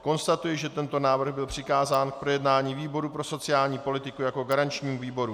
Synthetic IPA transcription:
ko̞nst̪at̪ujɛʒɛt̪ɛnt̪o̞naːvr̩ɣbɪlpr̥ɪkaːzaːnk̚pɾo̞jɛdnaːɲiːviːbo̞ɾupɾo̞so̞t͡sɪaːlɲiːpo̞lɪt̪ɪkujako̞ɡaɾant͡ʃɲiːmuviːbo̞ɾu

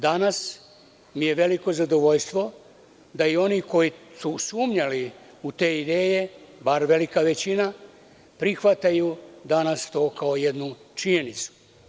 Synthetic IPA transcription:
d̪anas | mije̞ʋe̞liko̞zad̪o̞ʋoʎst̪ʋo̞ | d̪aio̞niko̞jisusuːmɲali | ut̪e̞ːid̪e̞ːje̞baɾʋe̞likaʋe̞t͡ɕina | pɾixʋat̪ajud̪anast̪o̞ːkaoje̞d̪nut͡ʃiɲenit̪su̥

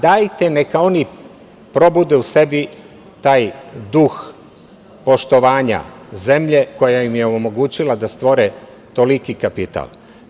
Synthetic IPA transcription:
d̪ajt̪ene̞kao̞ni | pɾo̞bud̪euse̞bi | t̪aːjd̪ux | po̞ʃt̪o̞ʋaːɲa̰ | ze̞mʎe̞ko̞jajimjeoomo̞ɡuːt͡ɕilad̪ast̪ʋo̞ɾe | t̪o̞likikapit̪a̰l

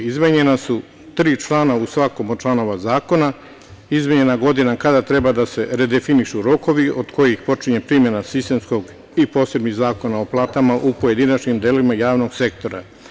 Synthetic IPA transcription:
izmeɲe̞nasu | t̪ɾiːt͡ʃlˠaːnausʋako̞mot͡ʃlˠano̞ʋazaːko̞na | izmeɲe̞naɡo̞d̪inakad̪at̪ɾe̞bad̪ase̞ɾe̞d̪efiniʃuɾo̞ko̞ʋio̞d̪kʰo̞jixpo̞t͡ʃiɲe̞pɾimje̞nasist̪e̞msko̞ɡ | ipo̞ːse̞bniɣzaːko̞nao̞plˠaːt̪amaʔupoje̞d̪inat͡ʃɲimd̪eːlimajaːʋno̞ɡse̞k̚t̪o̞ɾa̰

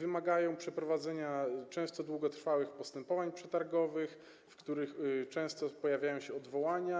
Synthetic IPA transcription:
vɘmaɡajɔ̃w̃pʂɛpɾɔvad̪zɛɲat͡ʂɛ̃w̃st̪ɔd̪wuɡɔt̪ɾfawɘxpɔst̪ɛmpɔvaɲpʂɛt̪aɾɡɔvɘx | fkt̪uɾɘxt͡ʂɛ̃w̃st̪ɔpɔjavʲjajɔ̃w̃ɕɛɔd̪vɔwaɲa

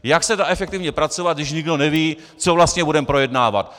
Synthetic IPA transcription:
jaksɛdaʔɛfɛkt̪ɪvɲɛpɾat͡sovat̪̚dɪʃɲɪɡdo̞nɛviː | t͡sovlast̪ɲɛbudɛmpɾo̞jɛdnaːva̰t̪

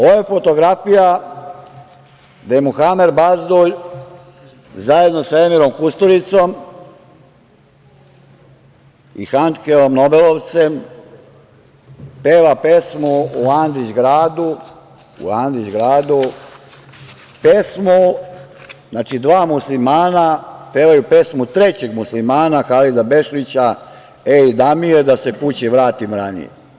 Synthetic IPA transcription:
ojefot̪o̞ɡɾafija | d̪ajemuxameɾbazd̪oʎ | zaje̞d̪no̞sae̞miɾo̞mkust̪oɾit̪som | ḭxant̪keomnobeloʋt̪sem | peːlape̞smouand̪id͡ʑɡɾaːd̪u | ṵand̪ɾid͡ʑɡɾaːd̪u | pesmo | znaːt͡ʃid̪ʋaːmuslimaːnapeʋajupe̞smut̪ɾet͡ɕeɡmuslimaːnaxalid̪abe̞ʃlit͡ɕa | eid̪amijed̪asekut͡ɕiʋɾaːt̪imɾanḭjḛ

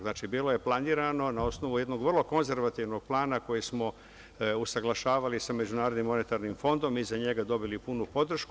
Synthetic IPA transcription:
naːt͡ʃibiːlˠo̞je̞plˠaniːɾano̞nao̞sno̞ʋujed̪no̞ɡʋrlˠo̞ko̞nze̞ɾʋat̪iʋno̞ɡ̚plˠaːnako̞jismo̞ | usaɡlˠaʃaːʋalisame̞d͡ʑunaːɾod̪nimːo̞ne̞t̪aɾnimfo̞nd̪o̞mizaɲe̞ɡad̪o̞bilipunupo̞d̪r̩ʃk

